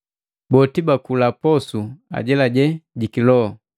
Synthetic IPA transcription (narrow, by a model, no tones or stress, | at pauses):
bɔtibakulapɔsua̰ɟɛlaɟɛɟikilɔɔ